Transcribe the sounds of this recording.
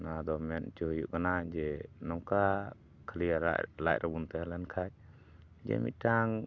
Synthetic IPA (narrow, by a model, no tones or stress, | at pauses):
nad̪ɔmɛnt͡ʃuɦjṵʔkanad͡ʒɛnɔŋka | kʰəliaɾa̰la̰ʔ̚ɾʔabunt̪ɛhalankʰaj | d͡ʒɛ̰mḭt̪̚ˀtaŋ